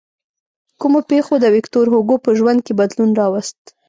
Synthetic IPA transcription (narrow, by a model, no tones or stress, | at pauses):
kumopexod̪əwɪkt̪oɾɦoɡopəʒwand̪̚kebad̪lunɾɑwast̪